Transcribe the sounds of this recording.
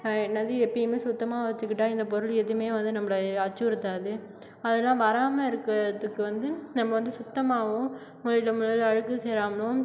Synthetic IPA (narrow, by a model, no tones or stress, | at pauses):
ɛnːɐðɯɛpːɐjɐmeːsʊt̪ːɐmaːʋɐt͡ʃːɯkːɪʈːaːɪnd̪ɐp̬ɔɾɯɭɛðɯmeːʋɐnd̪ɯnɐmːɐɭɐɐt͡ʃːʊɪɾɯt̪ːaːðɯ | ɐðɛlːãːʋɐɾaːmɐɪɾɯkːɾɐðɯkːɯʋɐnd̪ɯnɐmːɐʋɐnd̪ɯsʊt̪ːɐmaːʋʊ̃ | mʊɻɪlɐmʊlɐlɐɻɯkːɯseːɾaːmɐɭʊ̃